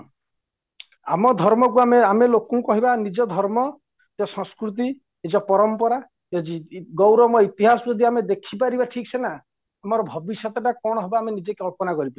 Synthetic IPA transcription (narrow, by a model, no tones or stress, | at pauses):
amɔd̪ʱɔɾmɔk̬uameamelokũkɔɦibanid͡ʒɔd̪ʱɔɾmɔ | ed͡ʒɔsɔ̃skɾut̪̬i | ed͡ʒɔpɔɾɔmpɔɾa | d͡ʒɔd͡ʒiɡɔwɾɔmɔit̪iɦasɔd͡ʒɔd̪ʱiamed̪ekʰipaɾibaʈʰik̚t͡ʃʰena | amɔɾɔbʱɔbisjɔt̪ɔʈakɔɽ̃ɔɦebaːmenid͡ʒekeɔlpɔnakɔɾipai